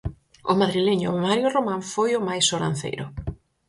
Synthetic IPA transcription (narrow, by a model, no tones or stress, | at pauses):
ʊmaðɾileɲʊmaɾjʊromãɱfojʊmajsoɾã̰n̟θḛjɾʊ̰